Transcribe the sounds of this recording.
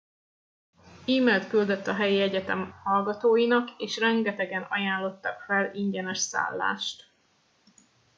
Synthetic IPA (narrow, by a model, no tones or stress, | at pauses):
iːmɛlt̪kyld̪øt̪ːɒɦɛjiɛɟɛt̪ɛmhɒlɡɒt̪oːjinɒkeːʃrɛŋɡɛt̪ɛɡɛnɒ̰jaːlːo̞t̪ːɒkfɛliɲɟɛnɛʃsa̰ːlːa̰ːʃt̪